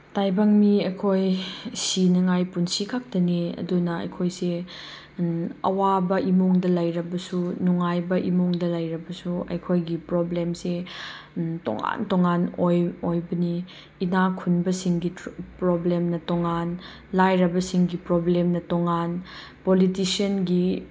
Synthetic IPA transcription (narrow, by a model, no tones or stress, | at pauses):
tajbɐŋmiɐjkʰojsinɐŋajpunsikʰak̚tɐniɐ̰dunɐɐ̰jkʰojse | ɐ̰wabɐʔimoŋdɐlɐjɾɐbɐsunuŋajbɐʔimoŋdɐlɐjɾɐbɐsuɐ̰jkʰojɡipɾoblemse | to̰ŋa̰ntoŋanojojbɐniː | nakʰunbɐsiŋɡipɾoblemnɐtoŋan | lajɾɐbɐsiŋɡipɾoblemnɐtoŋan | politisiɐnɡi